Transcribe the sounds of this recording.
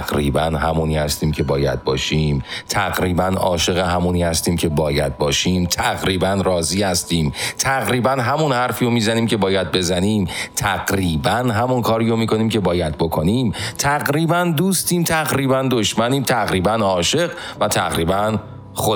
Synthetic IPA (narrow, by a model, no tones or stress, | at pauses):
ɡɾḭːbænɦæmuːniːhæst̪iːmcʰe̞bɒːjæ̰d̪̚bɒ̰ːʃiːmt̪ʰæɣɾiːbænɒ̰ːʃe̞ɣeɦæmuniːhæst̪iːmcʰe̞bɒːjæd̪̚bɒːʃiːmt̪ʰæɣɾiːbænrɒːziːhæst̪iːmt̪ʰæɣɾiːbænɦæmunhæɾfiːjomiːzæniːmcʲe̞bɒːjæd̪̚be̞zæniːmt̪ʰæɢɾiːbænɦæmunkʰɒːɾiːjomiːkʰo̞niːmcʰe̞bɒːjæd̪̚bokʰoniːmt̪ʰæɣɾiːbænd̪uːst̪iːmt̪ʰæɣɾiːbænd̪oʃmæniːmt̪ʰæɣɾiːbænɒːʃe̞ɢvæt̪ʰæɣɾiːbæn | xo